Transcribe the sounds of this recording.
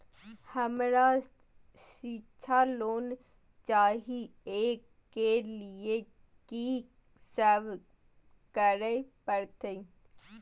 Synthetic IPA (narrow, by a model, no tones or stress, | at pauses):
həmɾa | sit͡ʃʰaloːn | t͡ʃaːɦieːkː | eːlie | ki | səːʋ | kəɾepəɾt̪ʰe